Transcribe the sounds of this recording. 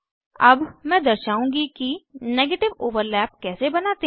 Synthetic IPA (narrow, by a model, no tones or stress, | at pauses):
ɐbmɛ̃ːd̪ɐɾʃaːũŋɡikineːɡeːʈɪʋoːʋəɾlɛːp̚kɛːsebɐnaːt̪e